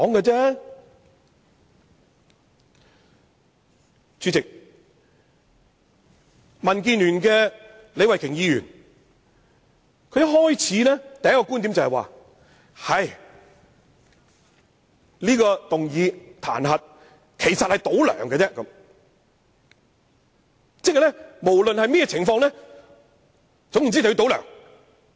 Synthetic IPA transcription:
kɔː˨˥ŋɡɛ˧t͡sɛː˥ | t͡syː˨˧t͡sɪ˨k̚ | mɐ˨˩nk̬iː˧nlyː˨˩nkɛː˧ | le˨˧jwɐ˨jkʰɪ˨˩ŋjiː˧jy̰ː˨˩n | kʰɵ˧jɐ˥t̚ɦɔː˥jt͡sʰiː˨˥nɛː˥t̪ɐ˨jɐ˥kɔ˧kuː˥nt̪i˨˥mt͡sɐ˨hɛ˨jwa̰ː˨ | hɐ˨j | liː˥kɔː˧t̪ʊ˨ŋjiː˨˧t̪ʰa̰ː˨˩nɦɐ˨t̚ | kʰe˨˩jsɐ˨t̚hɐ˨jt̪o˨˥wlœ̰ː˨˩ŋɡɛ˧t͡sɛː˥kɐ˨˦m | t͡sɛ˥kːɐ˨jlɛ˥mo˨˩wlɵ˨nhɐ˨jmɛ˥jɛː˧t͡sʰɪ˨˩ŋfɔː˧ŋlɛː˥ | t͡sʊ˨˥ŋji˨˩t͡si˥˨jːt̪o˨˥wlœ̰ː˨˩ŋ

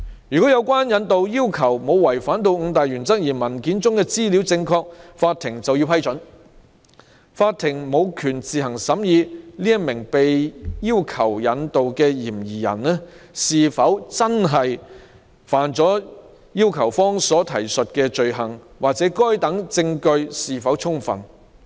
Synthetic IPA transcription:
jy˨˩kɔː˨˥jɐ˨˧wkʷwaː˥njɐ˨˧nt̪o˨wjiː˥wkʰɐ˨˩wmo˨˧wwɐ˨˩jfaː˨˥nt̪o˧wŋ̩˨˧t̪aː˨jɥyː˨˩nt͡sɐ˥k̚jiː˨˩mɐ˨˩nkiː˨˥nt͡sʊ˥ŋkɛː˧t͡siː˥li˨˥wt͡sɪ˧ŋkʰɔː˧k̚faː˧t̪ʰɪ˨˩ŋt͡sɐ˨wji˧wpʰɐ˥jt͡sɵ˨˥n | faː˧t̪ʰːɪ˨˩ŋmo˨˧wkʰyː˨˩nt͡siː˨ɦɐ˨˩ŋsɐ˨˥mjiː˨˧liː˥jɐ˥mɪ˨˩ŋpe˨jjiː˥wkʰɐ˨˩wjɐ˨˧nt̪o˨wkɛː˧jiː˨˩mjiː˨˩jɐ̰˨˩nɛ˥ | siː˨fɐ˨˥wt͡sɐ˥nɦɐ˨j | faː˨nt͡sɔː˨˥ | jiː˥wkʰɐ˨˩wfɔː˥ŋsɔː˨˥t̪ʰɐ˨˩jsɵ˨t̚kɛː˧t͡ʃɵ˨ɥɦɐ˨˩ŋwaː˨k̚t͡sɛ˨˥kɔː˥jt̪ɐ˨˥ŋt͡sɪ˧ŋkɵ˧ɥsiː˨fɐ˨˥wʰʊ˥ŋfɐ̰˨˩n

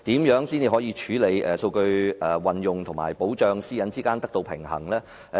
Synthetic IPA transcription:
t̪iː˨˥mjœː˨˥ŋsiː˥ne˧˥ɦɔː˨˥jiː˧t͡ʃʰyː˨˥le˨˧jʔɛː˨so˧wkɵ˧ɥʔɛ˨˩wɐ˨njʊ˨ŋt̪ʰʊ˨˩ŋma̰ː˨˩jpo˨˥wt͡ʃœː˧ŋsiː˥jɐ˨˧˥nt͡siː˥kaː˥nt̪ɐ˥k̚t̪o˧wpʰɪ̰˨˩ŋhɐ̰˨˩ŋlɛː˥˨

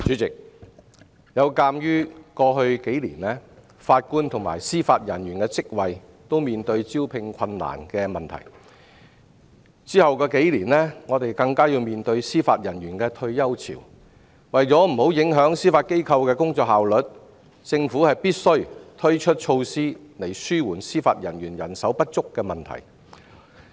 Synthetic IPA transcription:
t͡ʃyː˨˥t͡sɪ˨k̚ | jɐ˨˧wkaː˧mjyː˥kɔː˧ɦɵ˧ɥke˨˥jlḭː˨˩nɛː˥ | faː˧t̚kuː˥nt̪ʰʊ˨˩ŋma̰ː˨˩jsiː˥faː˧t̚jɐ˨˩njyː˨˩nkɛː˧t͡sɪ˥k̚wɐ˨j | t̪o˥wmiː˨˩nt̪ɵ˧ɥt͡siː˥wpʰɪ˧ŋkʰɐ˧nla̰ː˨˩nkɛː˧mɐ˨nt̪ʰɐ̰˨˩j | t͡siː˥hɐ˨wkɔː˧ke˨˥jliː˨˩nlɛː˥ŋɔː˨˧t̪e˨jkɐ˧ŋkaː˥jiː˧wmiː˨˩nt̪ɵ˧ɥsiː˥faː˧t̚jɐ˨˩njyː˨˩nkɛː˧t̪ʰɵ˧ɥjɐ˥wt͡sʰḭ˨˩w | wɐ˨jt͡sɔː˨˥m̩˨˩ho˨˥wjɪ˨˥ŋɦœː˨˥ŋsiː˥faː˧t̚ke˥jkʰɐ˧wkɛː˧kʊ˥ŋt͡sɔː˧k̚haː˨wlɵ˨˥t̚ | t͡sɪ˧ŋfuː˨˥hɐ˨jpiː˥t̚sɵ˥ɥt̪ʰɵ˥ɥt͡ʃʰɵ˥t̚t͡ʃʰo˧wsiː˥le˨˩jsyː˥wuː˨˩nsiː˥faː˧t̚jɐ˨˩njyː˨˩njɐ˨˩nsɐ˨˥wpɐ˥t̚t͡sʊ˥kːɛː˧mɐ˨˩nt̪ʰɐ̰˨˩j

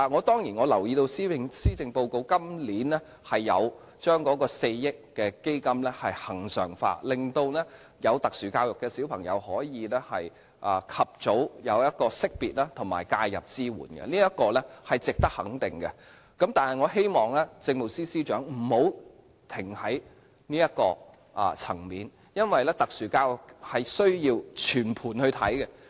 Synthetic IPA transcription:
a˨ŋɔː˨˧t̪ɔː˥ŋjiː˨˩nŋɔː˨˧lɐ˨˩wjiː˧t̪o˧wsiː˥˧ŋsiː˥t͡sɪ˧ŋpo˧wko˧wkɐ˥mliː˨˥nɛ˥ | hɐ˨jːɐ̰˨˧w | t͡ʃœː˥ŋkɔː˨˥kɔː˧se˧jjɪ˥kːɛː˧ke˥jkɐ˥mlɛː˥hɐ˨jhɐ˨˩ŋsœ̰ː˨˩ŋfa̰ː˧lɪ˨ŋt̪o˧wnɛ˥ | jɐ˨˧wt̪ɐ˨˩k̚syː˨˩kaː˧wjʊ˨kːɛː˧siː˨˥wpʰɐ˨˩ŋjɐ̰˨˧whɔː˨˥jiː˨˧lɛ˥hɐ˨j | ʔaː˨˧kʰɐ˨p̚t͡so˨˥wjɐ˨˧wjɐ˥t̚kɔː˧sɪ˥k̚piː˨t̚laː˥t̪ʰʊ˨˩ma̰ː˨˩jkaː˧jːɐ˨p̚t͡siː˥wṵː˨˩nɡɛ̰˧niː˥jɐ˥t̚kɔː˧lɛ˥hɐ˨jt͡sɪ˨k̚t̪ɐ˥k̚hɐ̰˨˥ŋt̪ɪ˨ŋɡɛ̰˧ | kɐ˨˥mt̪aː˨nhɐ˨˩jŋɔː˨˧ɦe˥jmɔː˨˩ŋlɛː˥t͡sɪ˧ŋ̚mo˨wsiː˥siː˥t͡ʃœː˨˥ŋm̩˨˩ho˨˥w | t̪ʰɪ˨˩ŋhɐ˨˥j | niː˥jɐ˥t̚kːɔː˧ | ʔɐ̰ː˨t͡sʰɐ˨˩ŋmiː˨˧n | jɐ˥nwɐ˨jlɛː˥t̪ɐ˨k̚syː˨˩kaː˧wjʊ˨˩k̚hɐ˨jsɵ˥ɥjiː˧wt͡ʃʰyː˨˩npʰuː˨˩nhɵ˧ɥt̪ʰɐ̰˨˥jkɛ˧

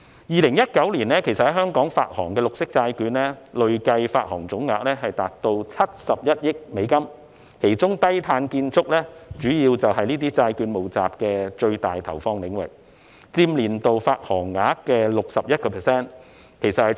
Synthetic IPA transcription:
jiː˨lɪ˨˩ŋjɐ˥t̚kɐ˨˥wliː˨˩nɛː˥kʰe˨˩sɐ˨t̚hɐ˨˩ɦœː˥ŋkɔː˨˥ŋfa̰ː˧t̚hɔ̰ː˨˩ŋkɛː˧lʊ˨k̚sɪ˥k̚t͡saː˧jkyː˧nlɛː˥lɵ˨ɥkɐ˧jfaː˧t̚hɔː˨˩ŋt͡sʊ˨˥ŋːaː˧˥k̚lɛː˥ɦɐ˨jt̪aː˨t̚t̪o˧wt͡sʰɐ˥t̚sɐ˨p̚jɐ˥t̚jɪ˥k̚me˨˧˥jkɐ˥m | kʰe˨˩jt͡ʃʊ˥ŋt̪ɐ˥jt̪ʰaː˧nkiː˧nt͡sʊ˥k̚lɛː˥t͡ʃyː˨˥jiː˧wt͡sɐ˨wɦɐ˨jniː˥t̪̬iː˥t͡saː˧jkyː˨˥nmo˨wt͡sa̰ː˨p̚kɛː˧t͡ʃɵ˧ɥt̪aː˨jt̪ʰɐ˨˩wfɔː˧ŋlɪ˨˥ŋwɪ̰˨k̚ | t͡siː˧mliː˨˩nt̪o˨wfaː˧t̚hɔː˨˩ŋːaː˨˥kːɛː˧lʊ˨k̚sɐ˨p̚jɐ˥t̚kɔː˧pʰɛː˨˩sɛː˥n | kʰe˨˩jsɐ˨t̚hɐ˨

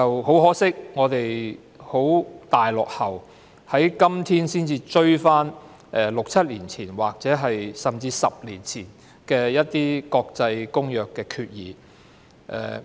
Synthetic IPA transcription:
t͡sɐ˨who˨˥wɦɔː˨˥sɪ˥k̚ŋɔː˨˧t̪e˨j | ho˨˥wt̪aː˨jlɔ̰ː˨k̚hɐ˨w | hɐ˨˥jkɐ˥mt̪ʰiː˥nsiː˥nt͡siː˧t͡ʃɵ˥ɥfaː˥n | ʔɛ˨˩lʊ˨k̚t͡sʰɐ˥t̚liː˨˩nt͡sʰiː˨˩nwaː˨k̚t͡sɛː˨˥ɦɐ˨jsɐ˨mt͡siː˧sɐ̰˨p̚liː˨˩nt͡sʰiː˨˩n | kɛː˧jɐ˥t̚t̪iː˥kɔː˧k̚t͡sɐ˧jkʊ˥ŋjœː˨kːɛː˧kʰyː˧t̚jiː˨˦ | ʔɛ̰ː˨

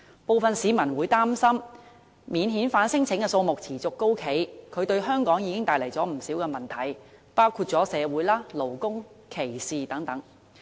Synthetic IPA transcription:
po˨wfɐ˨nsiː˨˧mɐ˨˩nwuː˨˧˥jt̪aː˥msɐ˥m | miː˨˧nɦiː˨˥nfaː˨˥nsɪ˥ŋt͡sʰɪ˨˥ŋkɛ˧so˧wmʊ˨k̚t͡sʰiː˨˩t͡sʊ˨kːo˥wkʰe˨˥jkʰɵ˨˧ɥt̪ɵ˧ɥɦœː˥ŋkɔː˨˥ŋjiː˨˧kɪ˥ŋt̪aː˧jlɐ˨˩jt͡sɔː˨˥m̩˨˩siː˨˥wkɛː˧mɐ˨˩nt̪ʰɐ˨˩jpaː˥wkʰuː˧t̚t͡sɔː˨˥sɛː˨˧wuː˨˥jlaː˥lo˨˩wkʊ˥ŋ | kʰe˨˩jsiː˨t̪ɐ˨˥ŋt̪ɐ˨˥ŋ

